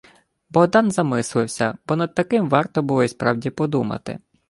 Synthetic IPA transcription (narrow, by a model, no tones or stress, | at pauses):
bɔd̪ɑnzɐmɪslˠɪwsʲɐb̥ɔnɐd̪̚t̪ɐkɪmʋɑrt̪ɔbʊlˠɔispɾɑwdʲipɔd̪umɐ̰t̪ɪ̰